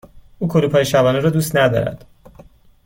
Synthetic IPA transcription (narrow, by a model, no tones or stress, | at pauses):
uːkʰoɾuːpʰɒːjeʃæbɒːneɾɔːd̪uːst̪næd̪ɒ̰ːɾæ̰d̪̥